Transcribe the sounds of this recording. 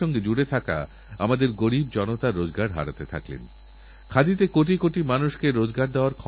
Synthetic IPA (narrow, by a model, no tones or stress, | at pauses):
ɔŋɡed͡ʑuɽet̪ʰaka̰ | a̰mad̪eɾɡoɾib̚d͡ʑɔnot̪aɾːod͡ʑɡaɾɦa̰ɾat̪et̪ʰa̰klḛn | kʰad̪it̪ekoʈ̬ikoʈimanuʃkeɾod͡ʑɡaɾd̪eoaɾkʰɔ